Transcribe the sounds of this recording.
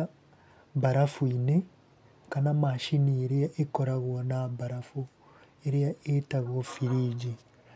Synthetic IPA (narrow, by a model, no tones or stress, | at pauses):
βaɾafuine | kanamaʃinieɾeaʔekoɾaɣonaβaɾafu | eɾeaetaɣofiɾiɟi